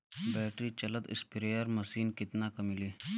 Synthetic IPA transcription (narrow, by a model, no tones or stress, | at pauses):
bɛːʈɾit͡ʃɐləd̪ɪ̰spɪɾeːəɾmɐsiːnkɪt̪nakɐmiliː